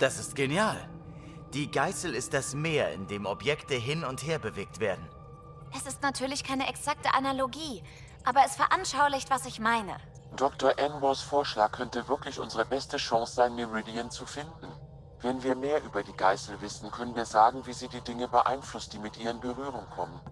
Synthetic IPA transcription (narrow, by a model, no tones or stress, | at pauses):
d̥asɪst̚ɡ̥enjaːl | d̥iːɡaɪsl̩ɪst̚d̥asmeːɐɪ̰ndeːmɔpjɛktəɦɪnʊntheːɐbəveːk̚tv̥eːɐdn̩ | ʔɛsɪstnatʰyːɐlɪçkʰaɪnəʔɛksak̚təʔanaloɡiː | ʔaːbɐɛsfɛɐʔanʃaʊlɪçtv̥asɪçmaɪnə̰ | d̥ɔktoɐʔɛnwɔsfoːɐʃlaːkʰːœntəvɪɐklɪçʔʊnzəʁəbɛstəʃɔ̃ŋsz̥aɪnmɪʁidiənt͡sufɪndn̩ | vɛnviːɐmeːɐʔyːbɐdiːɡaɪsl̩vɪsn̩kʰœnənviːɐzaːɡŋ̩viːziːdiːdɪŋəbəʔa̰ɪnflʊst̚d̥iːmɪtʔiːʁəɪnbəʁyːʁʊŋkʰɔmən